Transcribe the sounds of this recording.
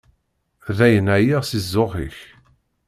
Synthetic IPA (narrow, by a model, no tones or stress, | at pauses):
ðæjənæjiʁsizːoʁḭç